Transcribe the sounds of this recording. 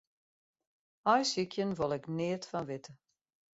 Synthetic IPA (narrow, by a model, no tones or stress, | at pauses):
ɔjsikʰjənʋolˠɛknɪːətfɔnʋɪtʰə